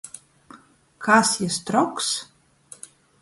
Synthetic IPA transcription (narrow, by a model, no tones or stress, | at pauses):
kʰasjɪst̪ɾɔks